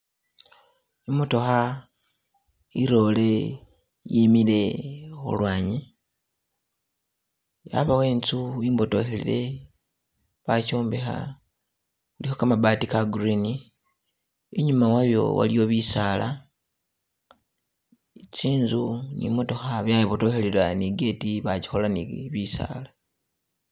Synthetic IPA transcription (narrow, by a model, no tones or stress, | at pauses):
imoto̞xa | iɾo̞le̞ | jimile̞xṵlwaːɲi | ja̰βaweːnt͡suiːmbo̞to̞helḭɾe̞ | βacoːmbexa̰ | kulihokamabaːtikaɡɾini | eɲumawaβjo̞̰wa̰lio̞βisaːla | t͡siːnzunḭmo̞to̞xaβjaiβo̞to̞xeliɾaniɡe̞ːtiβaci̥xo̞lanḭβisa̰ːla